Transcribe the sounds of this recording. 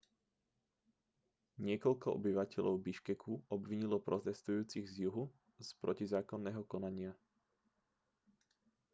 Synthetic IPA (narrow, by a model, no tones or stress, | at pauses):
ɲɪɛkɔʎkɔʔɔ̰biʋacɛʎɔ̰ʊbiʃkɛkʰuɔbʋiɲilɔpɾɔt̪ɛst̪ujuːt͡siɣzjuɦu | spɾɔcizaːkɔnːɛːɦɔkɔnaɲɪa